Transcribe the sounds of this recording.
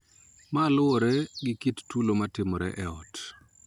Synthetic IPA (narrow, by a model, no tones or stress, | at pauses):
malʊɔɾɛɡɪkittulomatɪmɔɾɛ̰ʔɛɔt